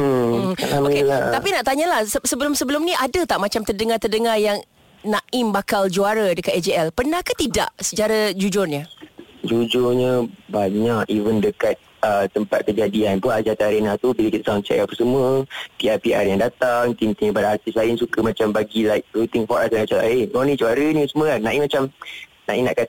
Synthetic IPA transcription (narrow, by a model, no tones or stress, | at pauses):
amoikelat̪apinaʔt̪aɲalahsəsəbəlʊmsəbəlʊmniʔadət̪aʔmat͡ʃamt̪ərdəŋart̪ərdəŋarjaŋ | naʔɪmbakald͡ʒuaɾadəkat̪ɛd͡ʒeɛlpənahkat̪ida̰ʔsə̥t͡ʃaɾad͡ʒud͡ʒʊrɲəd͡ʒud͡ʒʊrɲəbaɲakivəndəkat̪̚ | ət̪əmpat̪̚kəd͡ʒadianbuaʔd͡ʒat̪aaɾinat̪ubiləkit̪aəsaaŋt͡ʃɛ̰ʔapəsəmuəpiarpiʔa̰rjaŋdat̪aŋt̪int̪iŋəpadaɦart̪islaɪnsukəmat͡ʃambaɡilajk̚ɾut̪ɪŋfɔɾʔasaat͡ʃalaeɔnĩd͡ʒuaɾənĩsəməanãʔimːat͡ʃamnaʔimna̰ʔka